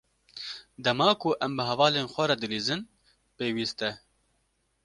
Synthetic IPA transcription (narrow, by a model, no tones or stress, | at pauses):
d̪ɛmɑːkuʔɛmbɨɦɛvɑːleːnxʷɛɾɐd̪ɨɾiːzɨn | peːwiːst̪ɛ